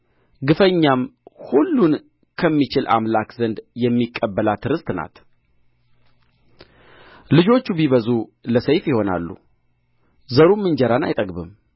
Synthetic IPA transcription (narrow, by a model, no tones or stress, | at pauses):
ɡɨfəɲːamhulːun | kʰəmːit͡ʃɪlʔa̰mlakzənd̪jɛmːikʼːəbːəlat̪ʰɨɾɨst̪na̰t̪ | lɨd͡ʒo̞t͡ʃːubiβəzuləsəjfjɪho̞na̰lːṵ | zəɾumːɨnd͡ʒɛɾana̰jt̪ʼəɡbɨ̰m